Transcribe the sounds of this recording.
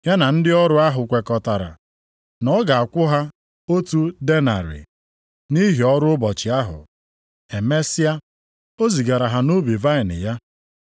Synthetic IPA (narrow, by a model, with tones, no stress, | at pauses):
ja˦na˨n̩˦dɪ˦ɔ˦ɾʊ˦a˦ɦʊ˨kʷe˨kɔ˨ta˨ɾa̰˨ | nɔ˦ɡa˨a˨kʷʊ˦ɦa˦ | o˦tu˦de˦na̰˨ɾɪ̰˨ | ni˦ɦi˨ɔ˦ɾʊ˦ʊ˦bɔ˨t͡ʃɪ˨a˦ɦʊ̰˨ | e˨me˦sɪ˦a˦ | o˦zi˨ɡa˨ɾa˨ɦa˨no˦bi˨va˦ɪ˨nɪ̰˨ja˦